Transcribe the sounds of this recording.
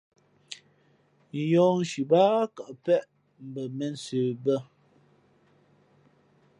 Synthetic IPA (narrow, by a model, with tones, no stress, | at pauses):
jɔː˦n̩˨˦ʃi˨baː˦ka˨ʔpɛ˦ʔ | m̩˨bə˨mɛ˨n̩˨seː˨bə˦˨